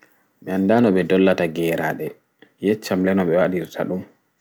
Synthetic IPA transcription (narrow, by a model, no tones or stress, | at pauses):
mɛandanɔɓɛdɔlːataɡɛːɾaɗɛ | jɛt͡ʃːamlɛnɔɓɛwaɗiɾtʰa̰ɗum